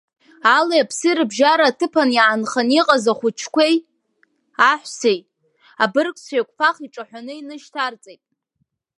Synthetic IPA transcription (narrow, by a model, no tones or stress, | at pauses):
alajapʰsɨrɨbʒaɾaːtʰɨpʰanjaːnχaniqʼazaχʷʊt͡ʃʰkʷʰej | aħʷᶣsejʼ | abɨrkʷʰʼsejkʷʰʼpʰaχiʈ͡ʂʼaħʷᶣanɨinɨʃtʰart͡sʼejtʼ